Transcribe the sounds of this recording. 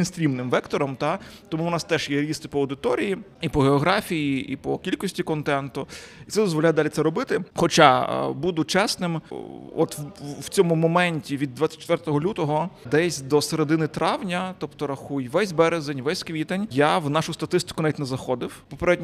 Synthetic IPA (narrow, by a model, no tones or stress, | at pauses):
insʲt̪ʲɾʲimnɪmʋɛkt̪ɔɾɔmt̪at̪ɔmunɑst̪ɛʒjɛɾʲist̪ɪpɔɐwd̪ɪt̪ɔɾʲiji | ipɔɦeɔɦɾɑfʲijiʔipɔkʲilʲkɔsʲtʲikɔnt̪ɛnt̪ʊit̪sɛd̪ɔzʋɔlʲajɛd̪ɑlʲit̪sɛɾɔbɪt̪ɪxɔt͡ʃabud̪ʊt͡ʃɛsnɪmɔt̪wt͡sʲɔmʊmɔmɛnʲtʲiʋʲid̪ːʋat͡sʲːɐ̥tʲt͡ʃt̪ʋɛrt̪ɔɦɔlʲut̪ɔɦɔd̪ɛsʲd̪ɔseɾed̪ɪnɪt̪ɾɑwnʲɐt̪ɔpt̪ɔɾɐxujʋɛsʲbɛɾezenʲʋɛsʲskʋʲit̪ɐnʲjawnɑʃʊst̪ɐt̪ɪst̪ɪ̥kʊnɑʋʲitʲnɛzɐxɔd̪ɪwpɔpeɾɛdʲnʲ